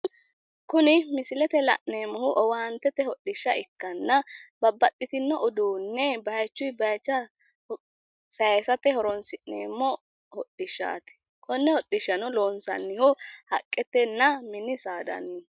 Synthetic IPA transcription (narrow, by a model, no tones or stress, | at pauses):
kʊnɪmɪsɪlɛt̪ɛlɐ̰ʔneːmːɔhʊʔɔwaːnt̪ːɛt̪ːɛhɔɗɪʃːɐɪkːɐnːɐbɐbːɐtʼːɪt̪ɪnːɔʔʊd̪uːnːɛbɐjt͡ʃːʊjbɐjt͡ʃːɐ | sɐsɐt̪ɛhɔɾɔnsɪʔnḛːmːɔ | hɔɗɪʃːa̰ːt̪ɪ̥ | kʰʼɔnːɛhɔɗɪʃːɐnɔloːnsɐ̰nːɪhʊhɐkʼːɛt̪ːɛnːɐmɪnːɪsaːd̪ɐ̰nːɪ